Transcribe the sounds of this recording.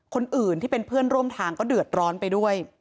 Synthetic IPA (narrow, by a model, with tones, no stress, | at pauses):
kʰo˧nʔɯː˨˩nt̪ʰiː˥˩pe˧npʰɯ˥˩ənɾu˥˩əmt̪ʰaː˧ŋkɔː˥˩dɯ˨˩ə˩t̪̚ɾɔː˦˥npa˧jdu˥˩əj